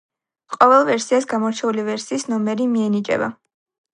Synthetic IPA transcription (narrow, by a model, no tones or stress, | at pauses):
qʼɔvɛlˠvɛɾsiasɡamɔɾt͡ʃʰɛulivɛɾsiːsnɔmɛɾimiɛnit͡ʃʼɛ̰ba̰